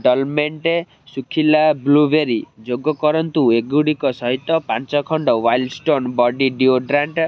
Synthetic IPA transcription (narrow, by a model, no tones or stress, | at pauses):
ɖɔlmeɳʈe | sukʰilablubeɾid͡ʒoɡɔkɔɾɔnt̪ueɡuɽikɔsɔɦit̪ːɔpãnt͡ʃɔkʰɔɳɖɔwajlɖsʈonbɔɖiɖioɖɾaɳʈ